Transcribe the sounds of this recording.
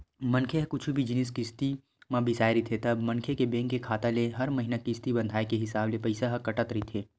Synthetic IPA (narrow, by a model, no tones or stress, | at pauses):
mɐ̃nkʰeɦkʊt͡ʃʰubʱid͡ʒɪnɪskɪst̪i | mãbɪsaːeɾit̪ʰet̪ɐbmɐ̃nkʰekebẽːŋkekʰaːt̪aleɦɐɾmɐɦinakɪst̪ibɐ̃nd̪ʱaːekeɦɪsaːblepɐɪsaɦɐkɐʈət̪ɾit̪ʰeː